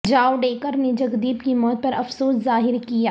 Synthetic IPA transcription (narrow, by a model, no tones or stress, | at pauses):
d͡ʒaːwɖeːkəɾned͡ʒɐɡd̪iːbkimɔːt̪̚pɐɾɐfsoːszaːɦɪɾkijaː